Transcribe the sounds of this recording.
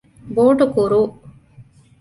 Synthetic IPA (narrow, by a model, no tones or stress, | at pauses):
boːʈukuɾuː